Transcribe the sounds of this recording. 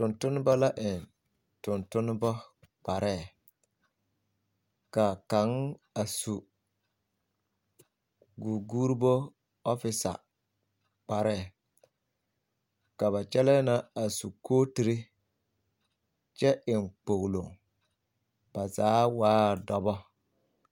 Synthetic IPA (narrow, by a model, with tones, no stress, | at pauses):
tʊ˨ntʊ˦nɪ˦ba˦la˦ʔɪ˨n | tʊ˨ntʊ˦nɪ˦bɔ˦ | k͡pa˨ɾʔɛ˦˨ | ka˨ka˨˦ŋa˨su˨ | ɡu˨ɡu˦ɾi˦bo˦ | ɔ˦fɪ˨sa̰˨ | k͡pa˨ɾɛ˦˨ | ka˨βa˨t͡ʃɛ˦lɛ˦na˦a˨su˨kʰoː˦ti˨ɾi˦ | t͡ʃɛ˦ʔɪ˨ŋk͡po˨ɣlo˨ŋ | b̥a˨zaː˨˦waː˦˨dɔ˦bɔ˦